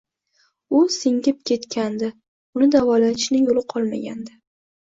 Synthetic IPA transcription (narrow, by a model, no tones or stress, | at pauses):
ʊsɪŋɡʲɪp̚kʲʰe̞t̪kʲʰand̪ɪ | ʊnɪd̪avɒlat̪ɪʃnɪjolɪqʰɒlˠma̰ɡʲand̪ɪ